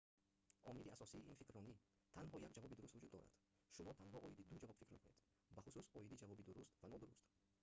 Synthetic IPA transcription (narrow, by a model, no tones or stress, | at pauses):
ʔɔmid̪iasɔsiːʔinfikɾɔni | t̪ʰanɦɔjakd͡ʒavɔbid̪uɾust̪vud͡ʒud̪ːɔɾa̰d̪̥ | ʃumɔt̪ʰanɦɔʔɔjid̪id̪ud͡ʒavɔb̥fikɾmekuned̪̥ | baχususɔid̪id͡ʒavɔbid̪uɾust̪vanɔd̪uɾust̪